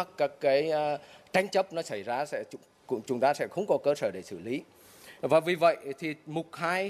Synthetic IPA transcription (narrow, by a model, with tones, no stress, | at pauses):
a˦˥kkaː˦˥kːaː˨˦jt͡ɕa˧jŋ̟t͡ɕə˦˥p̚nɔ˨˦sa˧˩jzaː˧˩sɛ̰˧˥˨ | kʊ̰˧˥t͡ɕʊ˨˦ŋ͡mt̪aː˧sɛ̰˧˥xə˧˦wŋ͡mkɔ˨˦kəː˧səː˧˩ɗe˧˩sɨ̰˧˩li˨˦ | vaː˨˩vi˨˩və̰˧˨jt̪ʰi˨˩mʊ˨˩t̚haː˧j